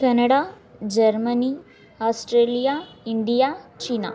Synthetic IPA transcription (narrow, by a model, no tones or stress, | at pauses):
kɛnəɽa | d͡ʑəɾməni | ɔsʈɾelijaiɳɖijat͡ɕina̰